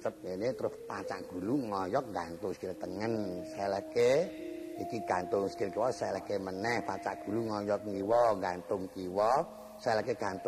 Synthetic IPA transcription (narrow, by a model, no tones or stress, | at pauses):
t͡ʃəp̚jenet̪əɾʊspat͡ʃa̰ʔɡ̥ṳluŋɔjɔk̚ŋɡant̪ʊŋsə̥kɪrt̪əŋənsɛlɛhke | ikiɡ̥ant̪ʊŋskɪrkiwɔsɛlɛhkemənɛhpat͡ʃaʔɡ̥ṳluŋɔjɔk̚ŋiwɔŋɡant̪ʊŋkiwɔ | sɛlɛkeɡ̥a̤nt̪